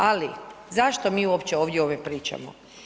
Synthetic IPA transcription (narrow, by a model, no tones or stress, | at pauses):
alizaʃt̪omiːuopt͡ɕeoːʋd̪ʲjeo̞ːʋjepɾiːt͡ʃa̰mo̰